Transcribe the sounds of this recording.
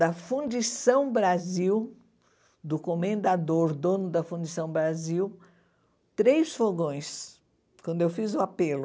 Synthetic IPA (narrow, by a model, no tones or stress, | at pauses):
d̪ɐfũd͡ʒisɐ̃w̃bɾaziw | d̪ʊkomẽnd̪ad̪oɾd̪õnʊd̪ɐfũd͡ʒisɐ̃w̃bɾaziw | t̪ɾejsfoɡõj̃s | kwɐ̃nd̪ʊewfizʊapelʊ